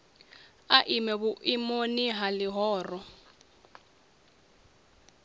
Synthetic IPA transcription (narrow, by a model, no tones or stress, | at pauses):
aʔimɛβuʔimoniɦaliɦɔːrɔ